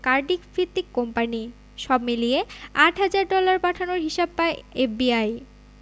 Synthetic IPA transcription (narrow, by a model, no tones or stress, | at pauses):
kaɾɖikfɾit̪ːikːɔmpani | ʃɔbmilieaʈɦad͡ʑaɾɖɔlaɾpaʈʰanoɾɦiʃab̚paeefbiaj